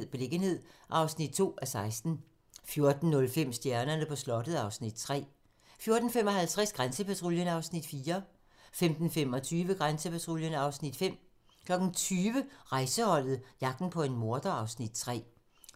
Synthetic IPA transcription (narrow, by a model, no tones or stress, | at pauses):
ð̰ˠb̥e̝le̝ɡ̥ənhe̝ð̞̰ˠʔɑ̈ʊsnid̥̚t͡sʰo̝̰ːæsɑ̈ɪsd̥n̩ | fjo̝ɐd̥n̩ːɔ̽lfem̰sd̥jæɐnɐnəpʰɒ̽slɒ̽d̥əð̩ˠɑ̈ʊsnid̥̚t͡sʰʁɛ̰ː | fjo̝ɐd̥n̩fem̰ɒ̽ɦælt͡sʰʁɛsɡ̥ʁansəpʰæt͡sʰʁoljənɑ̈ʊsnid̥fiːɐ | femd̥n̩fem̰ɒ̽t͡sʰyːʋəɡ̥ʁansəpʰæt͡sʰʁoljənɑ̈ʊsnid̥fem̰ | kʰlɒ̽ɡ̥n̩t͡sʰyːʋəʁɑ̈ɪsəhɒ̽l̰ð̞̩ˠjɑ̈ɡ̥̚d̥n̩pʰɒ̽e̝nmo̝ɐd̥ɐɑ̈ʊsnid̥̚t͡sʰʁɛ̰ː